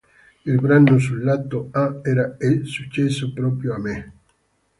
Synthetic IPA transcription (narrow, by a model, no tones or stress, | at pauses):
ilbɾanːos̬ulːat̪ːoaɛɾaesut͡ʃːɛsːopɾɔːpɾjoamɪ